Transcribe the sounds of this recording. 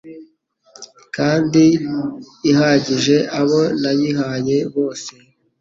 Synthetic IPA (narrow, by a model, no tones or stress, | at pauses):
kaːndi | iɦaɟiʒe̞ʔaβo̞najiɦaje̞βo̞ːse